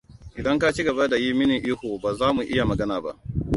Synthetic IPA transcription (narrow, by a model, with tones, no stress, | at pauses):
ʔɪ˨dɐ˦ŋka˦t͡ʃiː˦ɡɐ˨ba˦da˨ji˦mɪ˦ni˨ʔi˦hoː˨baː˨zaː˦mu˨ʔɪ˦ja˨mɐ˨ɡɐ˦naː˨ba̰˦ʔ